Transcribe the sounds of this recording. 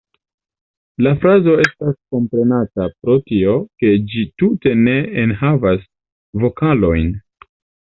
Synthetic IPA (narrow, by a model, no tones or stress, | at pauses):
lafɾazo̞e̞stasko̞mpɾe̞natapɾo̞tio̞ke̞d͡ʒitute̞ne̞ːnɦavas | vo̞kalo̞jn